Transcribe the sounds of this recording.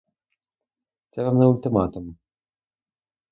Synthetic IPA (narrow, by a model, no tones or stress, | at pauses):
t̪sɛvamnɛʊlʲt̪ɪmat̪um